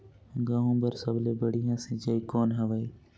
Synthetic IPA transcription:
ɡãːɦũːbəɾsəbleːbəɽijãːsĩd͡ʒəiːkoːnɦəʋəiː

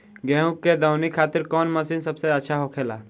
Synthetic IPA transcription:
ɡɛ̃ːɦũkːed̪əʊnikʰaːt̪ɪɾkɔːnməsiːnsəbseətːʃʰaɦokʰeːla̰ː

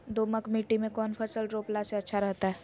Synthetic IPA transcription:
d̪oːməkmiːʈimẽkɔːnfʰɐsəlɾoːplaseɐtːʃʰaɾɛɦt̪aɦɛː

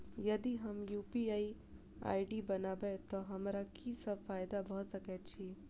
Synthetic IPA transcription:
jɐd̪iɦɐmjuːpiai | a̰ːiɖibɐnaːbet̪oɦɐmɾakisəbfaːjd̪abɐɦt̪səkɛt̪t͡ʃʰi

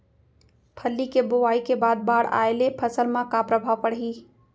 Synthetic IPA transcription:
pʰəlːikebʊʋaːikebaːd̪̚baːɽa̰ːelepʰɐsəlmãkapɾəbʱaːʋpəɽɦiː

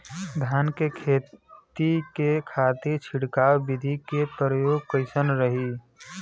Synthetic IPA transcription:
d̪ʱjaːnkekʰeːt̪ikekʰat̪iɾt͡ʃʰɪɽkaːwbid̪ʱikepɾəɾəjoːɡ̚kəɪsənɾəɦi

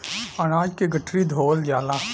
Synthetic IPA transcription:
ɐɽ̃aːd͡ʒkeɡɐʈʰɾid̪ʱoːld͡ʒaːlaː

